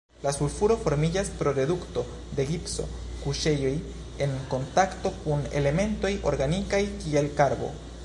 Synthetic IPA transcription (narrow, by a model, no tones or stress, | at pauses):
lasulfuɾo̞fo̞ɾmid͡ʒaspɾo̞ɾe̞dukt̪o̞ | d̪e̞ɡipso̞̰ | kuʃe̞jo̞j | e̞ŋko̞nt̪akt̪o̞kune̞̰le̞me̞nt̪o̞jo̞ɾɡanikajkielkaɾbo̞̰